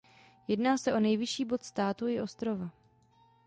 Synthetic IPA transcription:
jɛdnaːsɛʔo̞nɛjvɪʃiːbo̞t̪st̪aːt̪uɪʔo̞st̪ɾo̞va

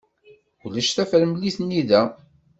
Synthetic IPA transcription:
ulæʃθæfəɾmlːiθnːiðæ

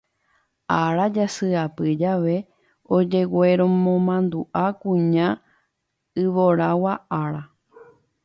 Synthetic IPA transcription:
aɾad͡ʒasɨapɨd͡ʒaʋe̞ | od͡ʒe̞we̞ɾõmõmãnd̪uʔakũɲã | ɨʋoɾawaʔaɾa

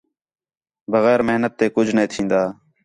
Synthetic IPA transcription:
bəɣɛːɾmɪɦnət̪ːeːkʊd͡ʒʱnəẽːt̪ʰĩːnd̪aː

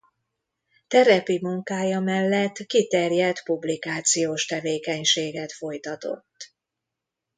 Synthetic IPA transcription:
t̪ɛɾɛpimuŋkaːjɒmɛlːɛt̪ːkit̪ɛrjɛt̪publikaːt̪sijoːʃt̪ɛveːkɛɲʃeːɡɛt̪fo̞jt̪ɒt̪o̞̰t̪ː

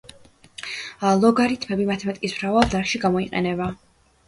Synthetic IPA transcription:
lˠɔɡaɾit̪ʰmɛbimat̪ʰɛmɛt̪ʼkʼismɾavalˠd̪aɾkʃiɡamɔiqʼɛ̰nɛba

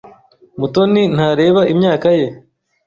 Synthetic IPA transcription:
mut̪onin̥haːɾe̞ːβaʔimɲaːkaje̞

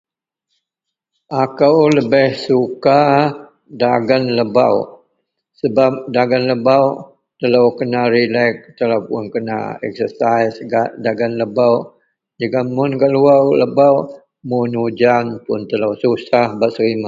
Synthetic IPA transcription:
ʔakəwləbɪhsuka | daɡanləba̰w | səbap̚daɡanləbaw | t̪əlawkənaɾilɛk̚t̪əlapʊnkəna̰ɛ̰k̚səsajsɡaʔdaɡanləbaw | d͡ʒəɡamʊnɡaʔluawləbaw | munud͡ʒanpʊnt̪ələwsusahbaʔsəɾima

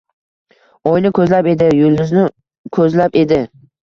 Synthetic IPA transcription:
ɒjnɪkʰɵzlape̞d̪ɪjold̪ʊznɪ | kʰɵzlape̞d̪ɪ

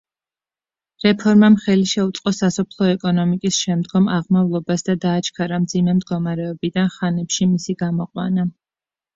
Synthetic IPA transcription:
ɾɛpʰɔɾmamχɛliʃɛut̪sʼqʼɔsasɔpʰlˠɔɛkʼɔnɔmikʼisʃɛmd̪ɡɔmaʁmavlˠɔbasd̪ad̪aːt͡ʃʰkʰaɾamd̪zimɛmd̪ɡɔmaɾɛɔbid̪anχanɛpʃimisiɡamɔqʼwana

